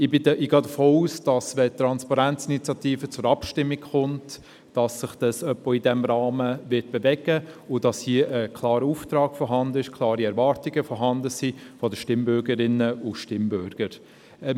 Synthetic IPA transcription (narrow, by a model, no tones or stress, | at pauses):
ɪbɪɪɡɑːdəfoːuːsd̥ɑsʋɛt̪ːɾɑnspɑɾænt͡sɪnit͡sjɑtiːfət͡sʊɾɑpʃtɪmːikχʊnt | d̥ɑsːɪχd̥ɑsœpːɔidɛmɾɑːməʋɪt̚b̥evɛɡəʊd̥ɑshiəʔəkʰlɑːɾəuːft̪ɾɑːɡfɔɾɦɑndəɪʃkʰlˠɑːɾiɛɾvɑːɾtiɡəfɔɾɦɑndəsiːfɔdəʃtɪmbʏɾɡəɾɪnːəʊʃtɪmbʏɾɡ̥əɾ